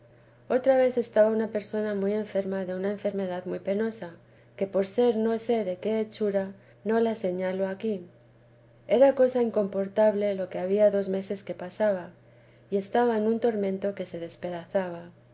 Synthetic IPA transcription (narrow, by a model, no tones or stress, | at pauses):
o̞t̪ɾaβe̞θe̞st̪aβaunape̞ɾso̞namuje̞ɱfe̞ɾmaðe̞unae̞ɱfe̞ɾme̞ðaðmujpe̞no̞sa | ke̞po̞ɾse̞ɾno̞se̞ðe̞ke̞ːt͡ʃuɾa | no̞lase̞ɲalo̞akin | e̞ɾako̞saiŋko̞mpo̞ɾt̪aβle̞lo̞ke̞aβ̞iaðo̞zme̞se̞ske̞pasaβ̞a | ie̞st̪aβae̞nũnt̪o̞ɾmẽ̞nt̪o̞ke̞se̞ðe̞spe̞ðaθaβ̞a